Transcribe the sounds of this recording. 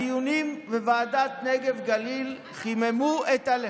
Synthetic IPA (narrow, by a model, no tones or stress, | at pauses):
junimvevaːdat̪neɡevɡalil | χimemuet̪al